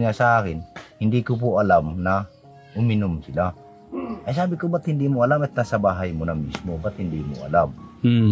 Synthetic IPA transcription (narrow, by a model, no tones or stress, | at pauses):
ŋasɐʔaːkɪnhɪnd̪iːkop̬ʊʔɐlamnɐ | ʔʊmɪnʊmsɪla | ʔɐjs̬aːbɪkobɐt̪hɪnd̪iːmoʔɐlamɛt̪̚nasɐbaːɦɐjmonɐmismobat̪̚hɪnd̪iːmo̰ʔɐ̰lam